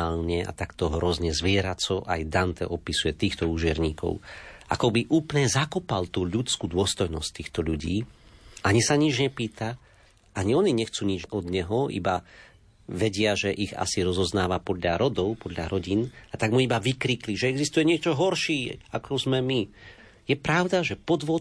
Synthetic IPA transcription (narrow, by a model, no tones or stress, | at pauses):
aːlɲɛa̰t̪akt̪ɔɦɾɔzɲɛzʋɪɛɾat͡sɔʔajd̪ant̪ɛ̰ʔɔpisujɛt̪iːxt̪ɔuːʒɪɛɾɲiːkɔ̰ʊʔa̰kɔbiʔuːplɲɛzakɔpalt̪uːʎut͡skuːd̪ʊɔst̪ɔjnɔsc̚t̪iːxt̪ɔʎuɟiːʔaɲisaɲid͡ʒɲɛpiːt̪a | ʔaɲiɔɲiɲɛxt͡suːɲid͡ʒɔd̪ɲɛɦɔḭba | ʋɛɟɪaʒɛʔiɣa̰siɾɔzɔznaːʋapɔd̪ʎaɾɔd̪ɔʊpɔd̪ʎa̰ɾɔɟinat̪aɡmuibaʋikɾiːkliʒɛɛɡzist̪ujɛɲɪɛt͡ʃɔɦɔɾʃiːakʰɔzmɛmi | jɛpɾaʊd̪aʒɛpɔd̪ʋɔ